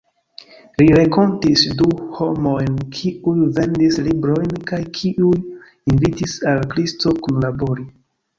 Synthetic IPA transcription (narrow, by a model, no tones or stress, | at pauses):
liɾeko̞ntisduho̞mo̞jnkʰiujve̞ndislibɾo̞jnkajkʰiʔuj | invitisalkɾisto̞kunlabo̞ɾi